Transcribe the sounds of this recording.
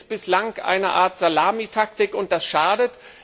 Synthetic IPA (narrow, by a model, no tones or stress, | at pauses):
b̥ɪslaŋkʔa̰ɪnɐʔa̰ːɐtz̥alaːmitʰak̚tɪkʊnt̚d̥asʃaːdət